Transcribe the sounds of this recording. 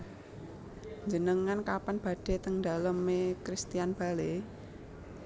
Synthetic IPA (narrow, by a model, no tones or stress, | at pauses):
ɲd͡ʒənəŋankapanb̥ä̤ɖ̥e̤t̪əŋd̪a̤ləmekɾist̪ianb̥a̤le